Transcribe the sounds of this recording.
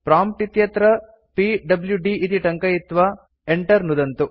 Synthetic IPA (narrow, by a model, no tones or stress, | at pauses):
pɾaːmʈit̪jɐt̪ɾɐ | piɖɐbljuɖiʔːt̪iʈɐŋkɐjit̪ːʋaː | eɳʈɐɾnud̪ɐnt̪u